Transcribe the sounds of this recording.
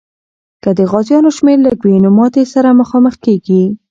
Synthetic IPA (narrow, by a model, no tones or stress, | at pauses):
kəd̪əɣɑzjɑnoʃmeɾlaɡwenʊmɑt̪esaɾaməxɑməxkeɡi